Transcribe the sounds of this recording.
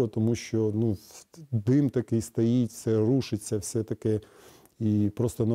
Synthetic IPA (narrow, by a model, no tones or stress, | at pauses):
ɔt̪ɔmuʃt͡ʃɔnud̪ɪmt̪ɐkɪjst̪ɐjit̪ʲsɛɾuʃɪt͡sʲːɐwsʲɛt̪ɐkɛ | ipɾost̪ɔnɐ